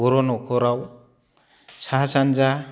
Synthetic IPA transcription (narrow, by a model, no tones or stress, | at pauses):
ɔɾɔnɔkʰɔɾaw | sʰaɦasand͡ʒa